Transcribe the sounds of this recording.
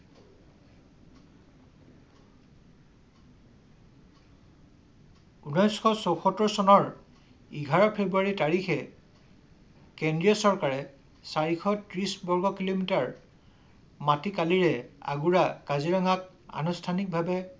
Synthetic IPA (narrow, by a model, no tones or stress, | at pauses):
unɔjsxɔsɔwxɔtːɔɹsɔnɔɹ | iɡʱaɹɔpʰebɹuaɹitaɹixɛ | kendɹiɔsɔɹkaɹɛ | saɹixɔtɹisbɔɹɡɔkilomitaɹ | matikaliɹɛa̰ɡuɹakaziɹaŋak̚ | a̰nustʰanik̚bʱabɛ